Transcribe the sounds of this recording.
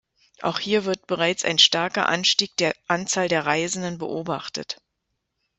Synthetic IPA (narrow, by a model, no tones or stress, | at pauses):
ʔa̰ʊxhiːɐvɪɐt̚b̥əʁ̞aɪt͡sa̰ɪnʃtaɐkɐ̰ʔa̰nʃtiːk̚d̥eːɐʔant͡saːldeːɐʁaɪzn̩dənbə̰ʔoːbaχtə̰t